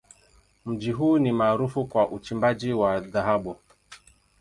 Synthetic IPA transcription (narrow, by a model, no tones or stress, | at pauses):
m̩d͡ʒiɦuːnimaːɾufukwaʔut͡ʃimbad͡ʒiwaðaɦaɓu